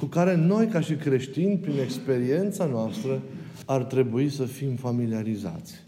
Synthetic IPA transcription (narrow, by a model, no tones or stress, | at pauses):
kukaɾe̞no̞jkaʃikɾe̞ʃt̪inʲpɾine̞kspe̞ɾie̞nt̪sanoast̪ɾə | art̪ɾe̞buisəfimfamiliaɾiza̰t̪sʲ